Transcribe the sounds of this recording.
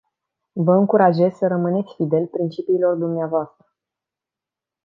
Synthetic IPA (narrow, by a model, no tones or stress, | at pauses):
vəɨŋkuɾaʒe̞zʲsəɾəmɨne̞t̪sʲfid̪e̞lpɾint͡ʃipiːlo̞rd̪umneavoast̪ɾə